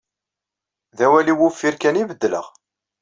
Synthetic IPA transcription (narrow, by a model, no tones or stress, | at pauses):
ðæwæliwufːiɾkænivəd̪ːlə̰ʁ